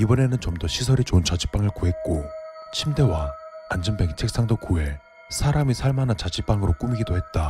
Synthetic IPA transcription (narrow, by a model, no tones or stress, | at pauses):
ibʌne̞nɯnt͡ɕʌmdʌɕʰisʰʌɾit͡ɕont͡ɕad͡ʑip͈aŋɯɭkuɦe̞t̚k͈ot͡ɕʰimde̞waand͡ʑɯmbe̞kt͡ɕʰek̚s͈aŋdokue̞ | sʰaɾamisʰaɭmanat͡ɕad͡ʑip͈aŋɯɾok͈umiɡidoɦe̞t̚t͈a